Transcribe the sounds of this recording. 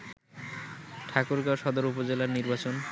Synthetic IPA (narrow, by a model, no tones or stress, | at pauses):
ʈʰakoɾɡaoʃɔd̪oɾupod͡ʑelaɾniɾbat͡ɕon